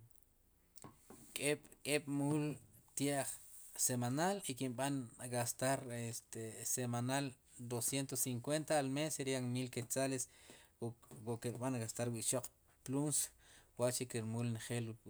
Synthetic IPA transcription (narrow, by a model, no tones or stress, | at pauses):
kʼeɓkʼeɓ̥mult̪jaʔχ | semanalikinɓanɡast̪aɾest̪esemanal | d̪osjent̪osiŋkwent̪aːlmeseɾiaŋmilket͡sales | wokeɾɓanɡast̪aɾwiʔʃoq͡χ | plunswaʔt͡ʃikiɾmulnχel